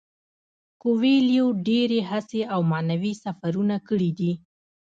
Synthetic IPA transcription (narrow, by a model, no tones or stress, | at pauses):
koweljoɖeɾeɦaseʔawmanawisafaɾunakəɽid̪i